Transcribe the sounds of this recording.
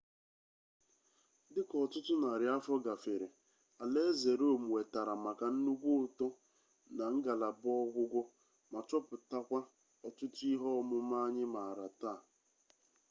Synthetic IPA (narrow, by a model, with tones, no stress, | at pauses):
dɪ˦kɔ˨tʊ˦tʊ˦na˨ɾɪ˨˦a˦fɔ˦ɡa˨fe˨ɾe˨ | a˨le˦ze˨ɾo˦˨m˨we˨ta˨ɾa˨ma˨ka˨n̩˦nu˦ɡʷu˦ʊ˨tɔ˦ | na˨ŋ̩˦ɡa˨la˨bɔ˦ɡʷʊ˦ɡʷʊ˦ | ma˨t͡ʃɔ˦pʊ˨ta˦kʷa˦ | ɔ˨tʊ˦tʊ˦i˦ɦɔ˦mʊ˦ma˦ɲɪ˦ma˨ɾa˨ta˦˨